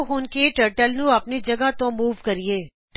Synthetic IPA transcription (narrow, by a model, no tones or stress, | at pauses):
ɦuːnkeʈəːɾʈəlnũɐpnid͡ʒɐɡat̪õːmuːʋkəɾieː